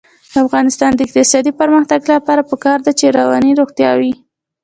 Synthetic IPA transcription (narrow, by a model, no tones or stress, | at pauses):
d̪əafɣɑnɪst̪ɑnd̪əɪk̚t̪ɪsɑd̪ipəɾməxt̪aɡlapɑɾapəkɑɾd̪at͡ʃeɾawɑ̰niɾoɣt̪jɑ̰wi